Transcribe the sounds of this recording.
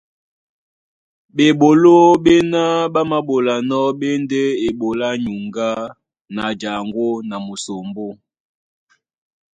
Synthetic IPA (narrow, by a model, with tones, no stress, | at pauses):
ɓe˨ɓo˨lo˦ɓe˦na˦ɓa˦ma˦ɓo˨la˨nɔ˦ɓe˦nde˦e˨ɓo˨la˦ɲu˨ŋɡa˦ | na˨d͡ʒa˨ŋɡwo˦na˨mo˨so˨mbo˦